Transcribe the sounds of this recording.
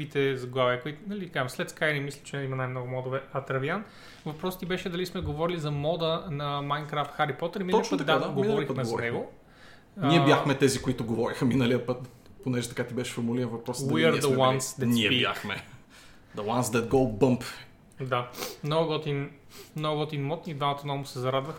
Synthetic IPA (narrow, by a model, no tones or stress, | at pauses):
vit̪ɛzɐɡlˠavɛkoit̪nɐlikamslɛt̪skajnɛmislʲit͡ʃɛimɐnajmnɔɡʊmɔd̪ovɛɐt̪ɾɐvian | vɐpɾɔst̪ibɛʃɛd̪ɐlismɛɡovɔɾilizɐmɔd̪ənɐmajnkɾaft̪xaɾipɔt̪əɾminɔit͡ʃnət̪ɐd̪ad̪aɡoinvɔɾixpəmɛzvɔɾnɛɡo | niɛbjaxmɛt̪ɛzikoit̪ʊɡovɔɾixəminəliəpət̪ | ponɛʒɛt̪ɐkat̪ibɛʃɛ̥foɾmuliɾɛnvɐpɾɔsdw̪iəɾd̪əwansd̪ɛniɛa̰xmɛ̰ | d̪ɐwansd̪ɛt̪̚ɡolbɤmp | d̪amnoɡʊɡɔt̪in | mnɔɡɡɔt̪inmɔt̪nid̪vamɐt̪onɔmʊsɛzɐɾad̪vɐx